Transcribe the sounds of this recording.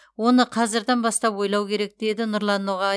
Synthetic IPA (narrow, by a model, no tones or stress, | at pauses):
wo̞nəqʰɑzɪɾd̪ɑnbɑst̪ɑpwo̞jlˠɑwkʲʰe̞ɾe̞k̚d̪̥e̞d̪ɪnʊɾlˠɑnːoʁɑ